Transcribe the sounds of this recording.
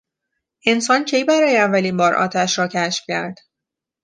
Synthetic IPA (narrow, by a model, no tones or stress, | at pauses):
ʔe̞nsɒːncʰejbæɾɒːjeævːæliːnbɒːɾʔɒ̰ːt̪ʰæʃɾɒːcʰæʃfcæɾd̪̥